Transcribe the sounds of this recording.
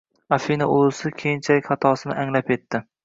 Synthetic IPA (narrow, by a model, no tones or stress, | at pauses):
afinaolɪsɪkʲʰejɪnt͡ʃʰalɪkʲχɑt̪ʰɒsɪnɪʔaŋlape̞t̪ʰːɪ